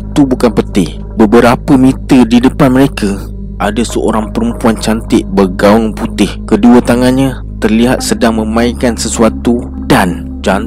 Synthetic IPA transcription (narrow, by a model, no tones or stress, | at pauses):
t̪ubukanpət̪ɪh | bəbəɾapəmĩt̪ədidəpanməɾeka | ʔadasəʔo̰ɾaŋpəɾəmpuant͡ʃant̪ɪʔbərɡaʊŋput̪ɪhkəduət̪aŋanɲã | t̪ərliɦa̰t̪̚sədaŋmə̃mãikansəsuat̪u | dan | d͡ʒan